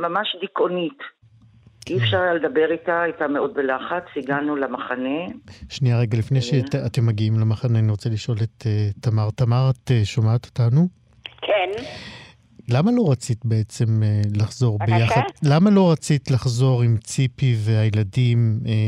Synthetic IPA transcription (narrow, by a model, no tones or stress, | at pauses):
mamaʃdikonit | iefʃaʁaled̪abeʁitaajtameo̞d̚belaχat͡siɡanulamaχaneʃnijaʁeɡalifnejʃeate̞mːaɡiimlemaχaneaniʁo̞t͡seliʃo̞let̪eamaʁtamaʁat̪eʃomaːt̪o̥tanu | kʰen | lamalo̞ʁat͡sit̪be̞et͡se̞melaχzo̞ʁbbejaχad̪lamalo̞ʁat͡sit̪laχzo̞ʁimt͡sipiveajeladime